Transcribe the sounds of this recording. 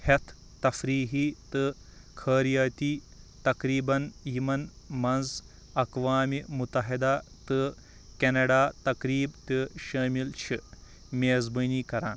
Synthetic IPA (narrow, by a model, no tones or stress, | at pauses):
het̪ʰ | t̪ɐfɾiːɦiːt̪ɨkʰɐːɾijaːt̪iː | t̪ɐkɾiːbɐnjimɐnmɐnz | ɐkʋaːmimut̪ɐɦid̪aːt̪ɨ | kenɐɖaːt̪ɐkɾiːbt̪ɨʃɐːmilt͡ʃʰi | mʲeːzbɨniːkɐɾa̰ːn